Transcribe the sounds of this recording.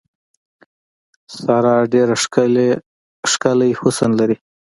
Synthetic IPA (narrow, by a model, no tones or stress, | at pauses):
sɑɾɑɖeɾa | ʂkalajhʊsanlaɾi